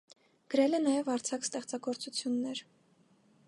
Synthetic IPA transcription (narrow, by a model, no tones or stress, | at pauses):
ɡ̥əɾɛlɛnɑjɛvɑɾt͡sʰɑkst̪ɛχt͡sɑɡɔɾt͡sut͡sʰjunːɛɾ